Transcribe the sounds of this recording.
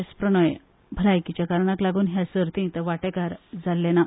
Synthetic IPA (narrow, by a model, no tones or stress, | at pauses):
espɾəɳ̃əj | bʱəɾajkit͡ɕjakaɾɳaklaɡuːnɦjasəɾt̪ĩt̪əʋaʈekaɾd͡zalːena